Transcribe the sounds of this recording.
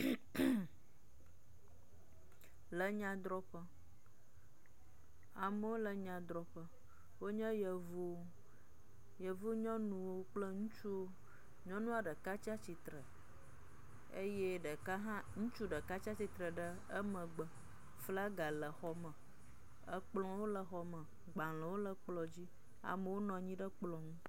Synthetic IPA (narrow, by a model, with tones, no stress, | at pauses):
lə˨ɲã˦d̪ɾɔ˦ɸə˦ | a˨mə˦wo˦lə˨ɲã˨d̪ɾɔ˨ɸə˦ | wo˦ɲɛ̃˦jə˨vo˦ | jə˨vo˦ɲɔ̃˦nũ˨wo˦k͡plə˦ŋũ˦t͡ʃu˦wo˦ | ɲɔ̃˦nũ˦a˨ɖə˨ka˦t͡ʃa˦t͡ɕi˨t̪ɾə˨ | ḛ˦jɛ˦ɖə˨ka˦ɦã˦ŋũ˦t͡ʃu˦ɖə˨ka˦t͡ɕa˦t͡ɕi˨t̪ɾə˨ɖə˦ | ə˦mə̃˨ɡ͡bə˨ | fla˦ɡa˨lə˨xɔ˨mə̃˨ | ə˦k͡plɔ̃˦wo˦lə˨xɔ˨mə̃˨ | ɡ͡ba˨lə˨wo˦lə˨k͡plɔ˨d͡ʑi˦ | a̰˨mə˨wo˦nɔ̃˨ɲĩ˦ɖə˦k͡plɔ̃˨ŋũ˦